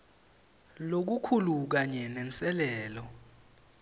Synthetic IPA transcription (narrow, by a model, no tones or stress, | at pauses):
lok̬ukʰuluk̬aɲɛnɛnt͡sʼɛlɛːlɔ